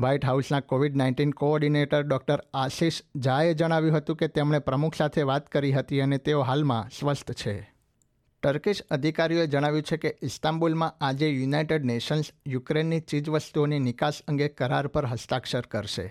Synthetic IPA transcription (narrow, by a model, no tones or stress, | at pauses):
ʋaiʈɦausnakoʋiɖnaɪ̃ɳʈinkoɔɾɖineʈəɾɖɔk̚ʈəɾaʃiʃd͡ʒaed͡ʒəɽ̃aʋjũɦət̪ũket̪emɳ̃epɾəmukʰsat̪ʰeʋat̪kəɾiɦət̪iənet̪eoɦalmã̰sʋəst̪ʰt͡ʃʰe | ʈəɾkiʃəd̪ʱikaɾijoed͡ʒəɽ̃aʋjũt͡ʃʰekeɪst̪ãmbulmãad͡ʒejunaiʈeɖneʃənsjukɾenːit͡ʃid͡ʒʋəst̪uoninɪkasə̃ŋɡekəɾaɾpəɾɦəst̪akʃəɾkəɾʃḛ